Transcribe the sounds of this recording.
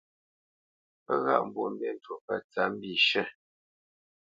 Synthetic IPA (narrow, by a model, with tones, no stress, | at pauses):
pə˦ɣa̰˦ʔm̩˨bu˦˨m˦be˦˨n˦to˨pə˦˨t͡sa˨˦m̩˦bi˦˨ʃə˦˨